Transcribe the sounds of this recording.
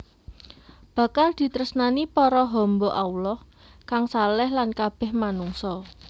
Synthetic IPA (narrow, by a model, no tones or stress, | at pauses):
b̥ä̤kald̪̥i̤t̪ɾəsnanipɔɾɔɦɔmbɔʔaulɔh | kaŋsalɛhlankab̥ɛ̤hmanuŋsɔ